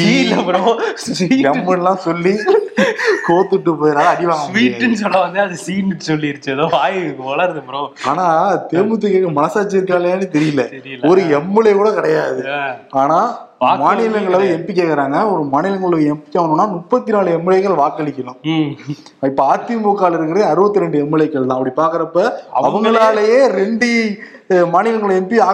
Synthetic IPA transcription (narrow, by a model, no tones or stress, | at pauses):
ilːɐpɐɾɐsʋiːɛmːɯnlãːsɔlːi | koːt̪ːɯʈːɯpoːjɪɾaːlɐɐɽɪʋaːɡɐmʋiːɯnsɔlːɐʋɐnd̪ɯɐðɯsiːnsɔlːiɪɾɯt͡ʃːɯɐðoːʋaːjʋɐɭɐɾðɯpɾɐ̃aːnaːɐɯt̪eːmɯt̪̬ːɯkeːkːɐmɐnɐsaːt͡ʃːiɪɾɯkːaːlaːnɯt̪ɛɾɪjɪlːɐɾɪlɔɾɯɛmːɯɭɐkuːɽɐkɐɽɐjaːðɯaːnaː | maːnɪlɐŋɡɐɭɐʋɐɛmpɪk̬ʲːeːkɐɾaːŋɡɐɔɾɯmaːnɪlɐŋɡɐɭlɯɛmpɪkʲːɐʋɐnɯnːaːmʊpːɐt̪ːinaːɭɯɛmːɪlɐɪkːɐɭʋaːkɐɭɪkʲːɐlʊ̃ | ɪpːɐaːt̪ːɪmoːkːaːlɪɾɯkːɪɾɐðɯɐɾɯbɐt̪ːɯɾɛɳɖɯɛmːɪɭɐɪkːɐɭt̪ãːɐpːɐɽipaːɾkɐɾɐpːɐɐʋɐŋɡɐɭaːlɐjeːɾɛɳɖɯ | maːnɪlɐŋɡɐɭɛmpiaː